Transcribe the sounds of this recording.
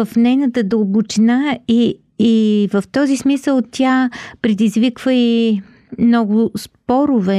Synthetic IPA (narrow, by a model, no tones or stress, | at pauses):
əfnɛjnət̪əd̪oːbut͡ʃinaiː | vəft̪ɔzismisəlˠt̪ʲjapɾɛd̪izvikvəi | mnɔɡʊspɔɾʊvɛ